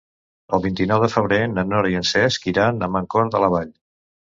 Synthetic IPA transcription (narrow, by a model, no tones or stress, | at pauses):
əlˠβint̪inɔwðəfəβɾenənɔɾiənsɛskiɾanəmaŋkɔɾðələβaʎ